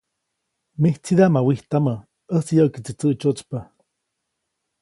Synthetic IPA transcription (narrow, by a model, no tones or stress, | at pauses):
miht͡siðaʔmawiht̪amə | əsjəʔkit͡sit͡səʔt͡ʃot͡spə